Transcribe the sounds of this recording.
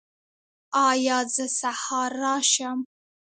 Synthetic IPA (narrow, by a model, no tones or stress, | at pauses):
ɑːjɑːzəsahɑːɾɑʃam